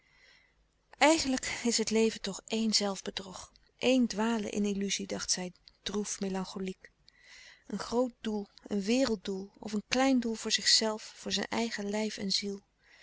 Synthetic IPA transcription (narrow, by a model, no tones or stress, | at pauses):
ʔɛjχənləkɪsɦətlejvəntɔχejnzɛlˠvbədrɔχ | ʔejndʋaːlə̰ʔɪ̰nilyzidɑχtsɛjd̥rufmelɑŋχolik | ənχrowt̚dulˠənʋɪːrəlˠt̚dulˠɔ̰fənklɛjndulˠvʊːɹzɪχsɛlˠfːʊːɹzɛ̰nʔɛjχəlɛjfɛnzilˠ